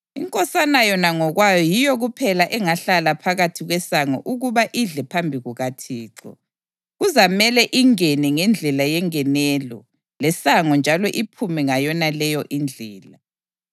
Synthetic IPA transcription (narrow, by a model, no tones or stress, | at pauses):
ḭŋkʼɔsanajɔnaŋɔɣwajɔjijɔɣupʰɛlaʔɛŋaɬalapʰaɣatʰiɣwɛsaŋɔ̰ʔuɣuβaʔiɮɛpʰambʱiɣuɣatʰiːǁɔ̰ | ɣuzamɛlɛʔiŋɛnɛŋɛnd͡ɮʱɛlajɛŋɛnɛːlɔ̰ | lɛsaŋɔnd͡ʒʱalɔʔipʰumɛŋajɔnalɛjɔʔind͡ɮʱɛːla